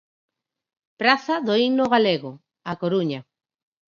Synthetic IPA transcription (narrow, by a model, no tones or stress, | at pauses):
pɾaθaðoiɣnoɣaleɣo | akoɾuɲa